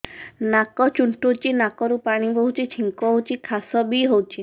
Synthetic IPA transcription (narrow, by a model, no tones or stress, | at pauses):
nakɔt͡ʃuɳʈut͡ʃinakɔɾupaɽ̃ibɔɦut͡ʃʰit͡ʃʰiŋkɔɦot͡ʃʰikʰasɔbiɦowt͡ʃʰi